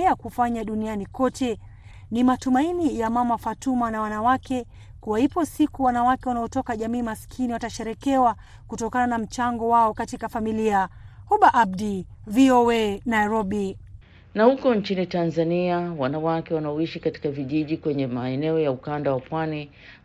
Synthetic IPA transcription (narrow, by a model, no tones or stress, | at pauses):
akufaɲaɗunianikɔtɛ | nimatumainijamamafatumanawanawakɛ | kuwahipɔsikuwanawakɛwanaɔtɔkaʄamiːmaskʰiniwataʃɛɾɛkɛwa | kutɔkananam̩t͡ʃaŋɡɔwaɔkatikafamiliahuɓaʔabdiviɔɛnajɾɔɓi | nahukɔnt͡ʃinitanzaniawanawakɛwanaɔiʃikati̥kaviʄiʄikwɛɲɛmaɛnɛɔjaukandawapwani